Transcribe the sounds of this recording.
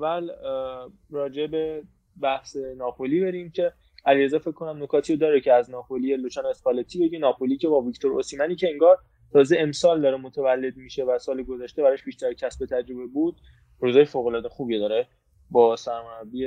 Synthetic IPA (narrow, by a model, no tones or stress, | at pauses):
væl | rɒːd͡ʒebe | bæhse̞nɒːpoliːbe̞ɾiːmcʰe̞ | æliɾezɒːfe̞kʰːo̞næmno̞kʰɒːt̪ʰiːod̪ɒːɾecʰeæznɒːxolijeloʃɒːnoespɒlet̪ʰiːbe̞ɟinɒːpoliːcʰe̞bɒːvict̪ʰo̞ɾosiːmæniːcʰeeŋɡɒːɾ | t̪ʰɒːze̞emsɒːld̪ɒːɾemot̪ʰevælːe̞d̪̚miːʃe̞væsɒːliɡozæʃt̪e̞bæɾɒʃbiːʃt̪æɾcʰæsbe̞t̪ʰæd͡ʒɾobebuːd̪̥̚ | ɾuːzɒːjefoːɣolɒːd̪exuːbijed̪ɒɾe | bɒːsæɾmoæbie